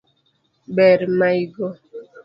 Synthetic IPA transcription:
bɛɾmaiɡɔ

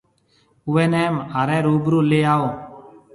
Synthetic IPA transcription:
ʊʋeːnɛːmaːɾɛ̃ːɾuːbɾoːleːaːoː

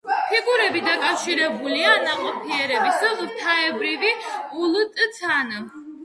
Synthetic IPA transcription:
pʰiɡuɾɛbid̪akʼafʃiɾɛbulianaqʼɔpʰiɛɾɛbisat̪ʰaɛbɾiviulˠt̪ʼt̪sʰana

